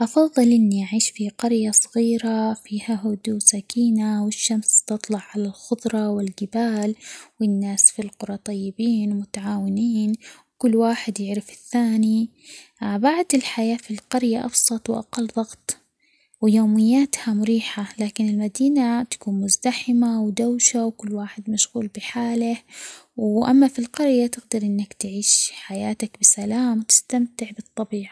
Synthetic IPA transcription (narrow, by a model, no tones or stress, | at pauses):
ʔɑfɑðˤːɨlʔɪnːiʔaʕiːʃfiqɑɾjasˤɑɣiːɾafiːhaɦʊd̪usakiːnawɪʃːamst̪ɨt̪ˤlɑʕʕalalxʊdˤɾˤɑwɪlɡɪbaːlwɪnːaːsfilqʊɾˤɑt̪ˤɑjːɪbiːnmʊt̪aʕaːwɪniːnwkʊlːwaːħɪd̪jɪʕɾɪfɪ̥θːaːni | baʕd̪ɪlħajaːfilqɑɾjaʔɑfsˤɑt̪ˤwʔa̰qɑlːðˤɑɣt̪ˤ | wɪjoːmɪjːaːt̪hamʊɾiːħalaːkɪnɪlmad̪iːnat̪ḁkuːnmʊzd̪aħɪmawd̪awʃawkʊlːwaːħɪd̪maʃɣuːlbɪħaːlɪhwʔa̰mːafilqɑɾjat̪ɪɡd̪ɑɾˤʔɪnːakt̪ʕiːʃħajaːt̪akbɪsalaːmt̪ɪ̥st̪amt̪ɪʕbɨt̪ˤːɑbiːʕa